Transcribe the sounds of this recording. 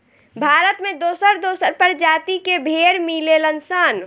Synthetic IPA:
bʱaːɾət̪mẽd̪oːsəɾd̪osəɾpəɾd͡ʒat̪ikebʱeɾmilelənsan

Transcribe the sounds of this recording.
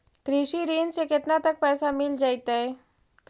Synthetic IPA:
kɾiʂiɾiːnseket̪nat̪ək̚pɛːsamɪld͡ʒaːjt̪aɦe

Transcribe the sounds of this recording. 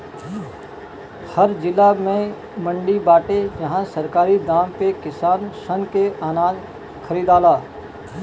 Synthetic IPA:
hɐɾd͡ʒɪlːamẽ | mə̃ɳɖibaːʈed͡ʒɐɦãsɐɾkaːɾid̪aːmpekɪsaːnʃənkeʔaːnaːd͡ʒ | kʰɐɾiːd̪aːlaː

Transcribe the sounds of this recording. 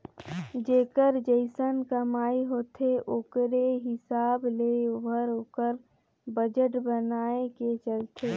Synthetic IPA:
d͡ʒeːkəɾd͡ʒəɪsənkəmaːiɦoːt̪ʰeʔoːkɾeɦɪsaːblebʱəɾoːkəɾ | bəd͡ʒəʈbənaːeket͡ʃəlt̪ʰeː

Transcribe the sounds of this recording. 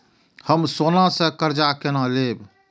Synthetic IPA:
həmsonasə̃kəɾd͡ʒakenaleb

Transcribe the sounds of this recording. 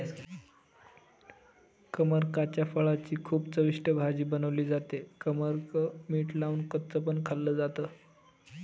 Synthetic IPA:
kəməɾkat͡ɕjafəɭat͡ɕiːkʰuːpt͡səʋiʂʈəbʱad͡ʑiːbənəʋliːd͡zat̪ekəməɾkəmiːʈlaunkət̪t͡səpənkʰalːəːd͡zat̪əː

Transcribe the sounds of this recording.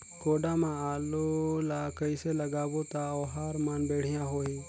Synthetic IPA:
koːɖamãaːlolakəiseləɡaːbot̪aoːɦaɾmaːnbeːɽ̤ɪjãɦoːiː

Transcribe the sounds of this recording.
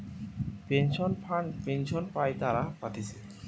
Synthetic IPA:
penʃɔnapenʃɔnpajt̪aɾapat̪ʰit͡ɕʰe

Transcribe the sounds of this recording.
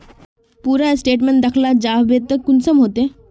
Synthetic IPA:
puɾasʈeʈməɳʈd̪əkʰlad͡ʑaɦbet̪ːəkːunsəmɦot̪e

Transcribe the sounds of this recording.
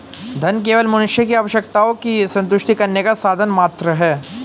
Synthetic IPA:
d̪ʱɐnk̬eːʋəlmɐnʊʃjəkiaːʋəʃjəkt̪aokisɐ̃nt̪ʊʃʈikɐɾnekasaːd̪ʱənmaːt̪ɾəɦɛː

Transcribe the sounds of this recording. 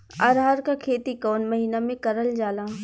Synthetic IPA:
a̰ːɾɦaːɾkakʰeːt̪ikɔːnmɐɦiːnamẽkɐɾəld͡ʒaːlaː

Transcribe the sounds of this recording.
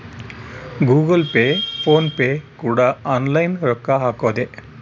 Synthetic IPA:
ɡuːɡəlpefoːnpekuɽaɔnlajnɾɔkːaɦakod̪e

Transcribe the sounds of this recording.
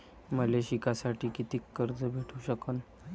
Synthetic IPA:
məleɕikasaʈʰiːkit̪iːkːəɾd͡zəbʱeʈʰuɕəkən

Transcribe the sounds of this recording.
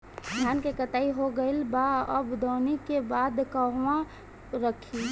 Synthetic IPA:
d̪ʱjaːnkekət̪aːiɦoɡəɪlbaəbd̪ɔːnikebaːd̪kəɦʋã | ɾəkʰi

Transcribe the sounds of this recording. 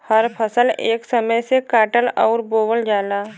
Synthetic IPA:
həɾpʰəsəleːksəməjsekaːʈəlɔːɾboːʋəld͡ʒaːlaː

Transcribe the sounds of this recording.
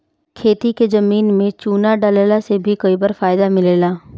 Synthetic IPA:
kʰeːt̪ikezɐmiːnmẽt͡ʃuːnaɖaleːlasebʱikoːibəɾfaːjd̪amɪleːlaː

